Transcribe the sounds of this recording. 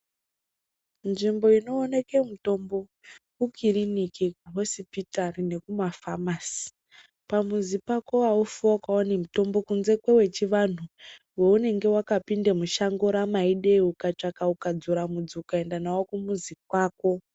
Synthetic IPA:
nʐimbo̞ino̞ːne̞ke̞muto̞mbo̞kukʰiɾinikikuɦo̞sipitarine̞kumafamasi̥ | pamuzipako̞waufuakaonimuto̞mbo̞kunze̞kwewe̞t͡ʃiʋan̤u | weune̞ŋɡe̞wakapindemuʃaŋɡoɾamaiɗe̞ukat͡ʂakaukad͡zuɾamud͡zukae̞ndanawokumuzik̚waːko̞

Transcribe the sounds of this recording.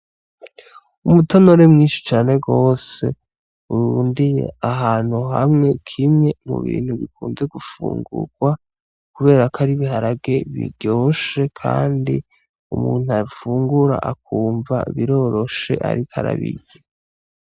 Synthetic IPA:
umutono̞ɾemŋiːnʃi̥t͡ʃaːne̞ɡo̞ːse̞̰ | uɾuːndije̞̰aɦaːn̥huɦamŋe̞kʰimŋe̞mṵβḭːn̥huβikʰuːnze̞ɡufṵːŋɡṵɡ̥wa | kuβe̞ːɾakʰaɾiβiɦaɾaɡe̞βḭɟ̥oːʃe̞kʰa̰ːndi | umuːn̥uaifuːŋɡuɾa̰ʔak̚uːɱva̰βiɾo̞ɾo̞ʃe̞̰ʔa̰ɾikʰaɾa̰βiɟe

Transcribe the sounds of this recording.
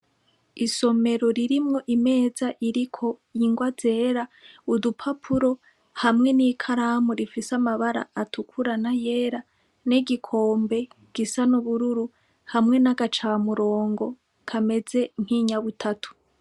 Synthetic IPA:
iso̞me̞ɾo̞ɾiɾimŋo̞ʔime̞ːzaʔiɾikʰo̞iŋɡwaz̥e̞ːɾaudupʰapʰuɾo̞ | hamŋe̞nikʰaɾamuɾifisamaβaɾa̰ːtukʰuɾanaje̞ːɾa | neɡikʰo̞ːmbe̞ | ɡ̥isanuβuɾuɾu | hamŋe̞naɡat͡ʃaːmuɾo̞ːŋɡo̞ | kʰame̞ze̞ŋ̥hiːɲaβutʰatʰu̥

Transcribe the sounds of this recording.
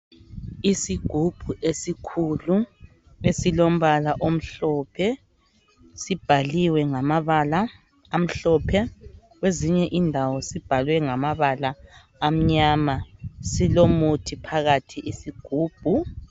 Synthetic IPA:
isiɡ̥ʱub̥ʱuʔesikʰulu | esilom̩βalaʔom̩ɬɔːpʰɛ | sib̥ʱaliwɛŋamaβalaː | m̩ɬɔpʰɛ | ɣweziɲɛʔindʱawɔsib̥ʱalwɛŋamaβalaː | m̩ɲaːmasilomutʰipʰaɣatʰiʔisiɡ̥ʱuːb̥ʱu

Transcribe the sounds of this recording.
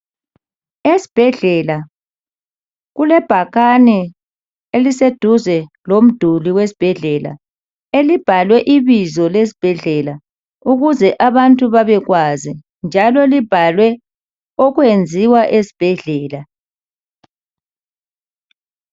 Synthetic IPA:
esi̥b̥ʱɛɮɛla | ɣulɛb̥ʱaɣanɛ | elised̥ʱuzɛ | lom̩d̥ʱuliwesi̥b̥ʱɛɮɛla̰ | elib̥ʱalwɛʔiβizɔles̬i̥b̥ʱɛɮɛla | uɣuzɛʔaβantʼuβaβɛɣwazi | nd͡ʒʱalɔlib̥ʱalwɛ | ɔɣwend͡zʱiwaʔesi̥b̥ʱɛɮɛːla

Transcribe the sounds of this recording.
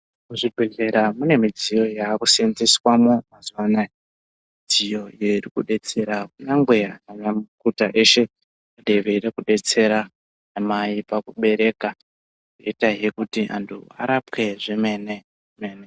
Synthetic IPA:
muʐibʱeɮe̞ɾamune̞mid͡zijo̞jaːkusenziswamomazuwana | id͡zijo̞ijoirikuɗe̞t͡se̞ɾakunaŋɡweananamukutaʔe̞ʃe̞ | aɗe̞ʋeiɾekuɗe̞t͡se̞ɾa | namaipakuɓe̞ɾe̞ka | roitaɦe̞kutiʔa̰ntʰṵa̰ɾapke̞ʐime̞ne | meːne

